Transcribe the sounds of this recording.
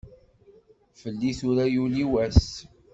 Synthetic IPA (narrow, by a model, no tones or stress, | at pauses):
fəlːiθʊɾæjuliwæs